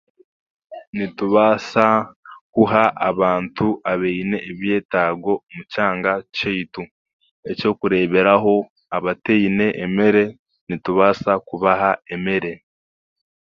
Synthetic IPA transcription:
nituβaːsakuɦaʔaβaːntuaβeine̞ʔːβje̞ːtaːɡo̞mucaːŋɡacejtu | e̞co̞ːkuɾe̞ːβe̞ɾaɦo̞ | aβateine̞ʔːme̞ɾe̞ | nituβaːsakuβaɦaeme̞ɾe̞

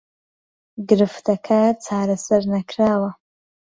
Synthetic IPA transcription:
ɡɨɾɨftʰakʰat͡sʰaːɾasarnakʰraːwa

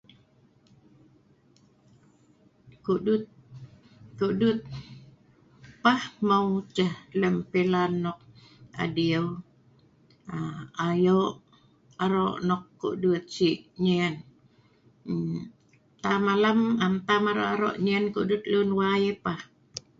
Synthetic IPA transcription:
kuʔdut̪̚ | kuʔdut̪̚ | pahmawt͡ʃəhləmpelanːɔk̚ | a̰diəw | aajoʔ | aɾoʔnɔkːṵʔdut̪̚siʔɲɛn | t̪amalamant̪amaɾo̰ʔaɾo̰ʔɲɛnkṵdut̪̚lunwajepah

